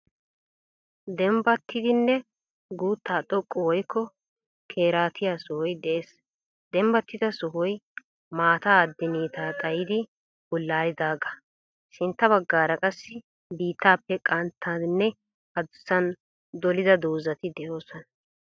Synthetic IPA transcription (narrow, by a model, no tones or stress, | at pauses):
d̪ɛmbɐt̪ʰːɪd̪ɪnːɛ | ɡuːt̪ʰːaːt̪ʼɔkʼːɔwɔjkʰːɔ | kʰeːɾaːt̪ʰɪjaːsɔhɔjd̪ɛʔeːs | d̪ɛmbɐt̪ːɪd̪ɐsɔɦɔj | maːt̪aːd̪ːɪniːt̪aːt̪ʼɐjɪd̪ɪ | bɔlːaːjɪd̪aːɡɐ̥ | ʃɪnt̪ːɐbɐɡːaːɾɐkʼɐsːɪ | biːt̪ːaːpːɛkʼɐnt̪ʰːaːdnːɛ | ɐd̪ʊsːɐn | d̪ɔlɪd̪ɐd̪oːzɐt̪ɪd̪ɛʔo̞ːsɔnɐ